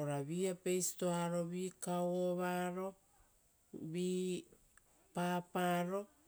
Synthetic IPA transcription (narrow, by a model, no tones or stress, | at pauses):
oɾaβiapejsi̥toaɾo̞βiːkawoβaɾo̞ | βiː | papaɾo̞